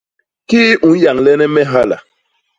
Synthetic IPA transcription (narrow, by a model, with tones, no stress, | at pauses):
kiː˦ʔũ˨˦n˦ja˨ŋlɛ˦nɛ˦mɛ˦ɦa˦la̰˨